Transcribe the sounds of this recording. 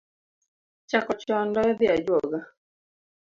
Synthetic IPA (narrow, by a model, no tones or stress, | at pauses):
t͡ʃakɔt͡ʃɔndɔɛðiad͡ʒwɔɡa